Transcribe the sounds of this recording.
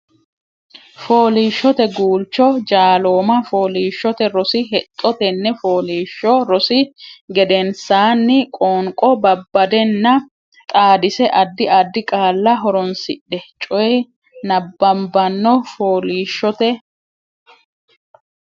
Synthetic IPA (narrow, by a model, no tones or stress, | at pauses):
fo̞ːliːʃːɔt̪ɛɡuːlt͡ʃːɔd͡ʒaːlo̞ːmɐfo̞ːliːʃːɔt̪ɛɾɔsɪɦɛt̪ʼːɔt̪ɛnːɛfoːliːʃːɔɾɔsɪɡɛd̪ɛnsaːnːɪkʼoːŋkʼɔbɐbːɐd̪ɛnːɐ | t̪ʼaːd̪ɪsɛʔɐd̪ːɪɐd̪ːɪkʼaːlːɐɦɔɾɔnsɪɗːɛt͡ʃʼɔj | nɐbːɐmbɐnːɔfoːliːʃːɔt̪ɛ